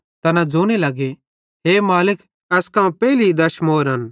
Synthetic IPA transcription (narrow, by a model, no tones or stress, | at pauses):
t̪ɐnãd͡ʒoːɽ̃elɐɡe | ɦeːmaːlɪk | ɛskaːũpɛːliid̪ɐʃmoːɾɦɐn